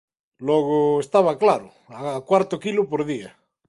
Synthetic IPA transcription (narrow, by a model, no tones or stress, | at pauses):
lɔɣ̞oest̪aβaklaɾʊ̰ | aːkwaɾt̪okilʊpoɾðia